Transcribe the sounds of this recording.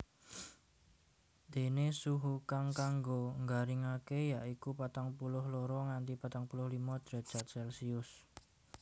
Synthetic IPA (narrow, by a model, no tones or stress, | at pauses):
d̪̥e̤nesuɦukaŋkaŋɡoŋɡaɾiŋakejaʔikupat̪aŋpulʊhloɾɔŋant̪ipat̪aŋpulʊhlimɔd̪̥ɾe̥ʒ̥at̪̚sɛlsiʊs